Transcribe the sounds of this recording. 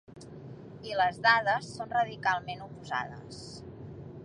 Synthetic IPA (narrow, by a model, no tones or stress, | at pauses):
iləzðað̞əsːonrəðikalˠmenupuza̰ð̞ə̰s